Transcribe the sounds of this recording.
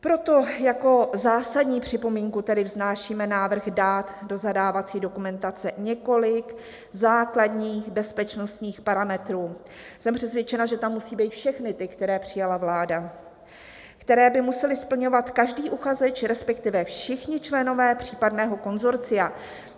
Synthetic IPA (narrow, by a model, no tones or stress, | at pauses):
pɾo̞t̪o̞jako̞zaːsadɲiːpr̝̥ɪpo̞miːŋkut̪ɛdɪvznaːʃiːmɛnaːvr̩ɣdat̪do̞zadaːvat͡siːdo̞kumɛnt̪at͡sɛɲɛko̞lɪk | zaːkladɲiːxbɛspɛt͡ʃno̞st̪ɲiːxpaɾamɛt̪ɾuː | sɛmpr̥ɛsvjɛt͡ʃɛnaʒɛt̪amːusiːbiːt̪fʃɛxnɪt̪ɪkt̪ɛɾɛːpr̝̥ɪjalavlaːda | kt̪ɛɾɛːbɪmusɛlɪspl̩ɲo̞vat̪kaʒdiːʔuxazɛt͡ʃɾɛspɛkt̪ɪvɛfʃɪxɲɪt͡ʃlɛno̞vɛːpr̝̥iːpadnɛːɦo̞ko̞nzo̞ɾt͡sɪja